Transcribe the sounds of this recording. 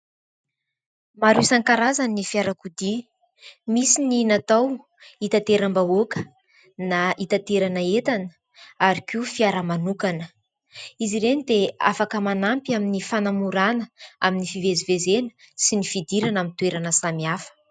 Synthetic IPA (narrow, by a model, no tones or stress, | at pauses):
maɾusaŋkaɾazanifiaɾakud̪i | misininat̪aw | it̪at̪eɾambaokə̥ | naʔit̪at̪eɾanəet̪anə̥ | aɾikiufiaɾəmanukanə | iziɾenid̪ea̰fakəmanampiaminifanamuɾanəaminifivezivezenə̥ | sinifid̪iɾanamint̪ueɾanəsamiafə̥